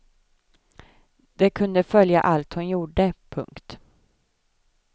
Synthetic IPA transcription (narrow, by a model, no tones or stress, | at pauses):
d̪̥ɛkʰɵnd̪əfœlja̰ʔalt̪hʊnjuːɖəpʰɵ̰ŋkt̪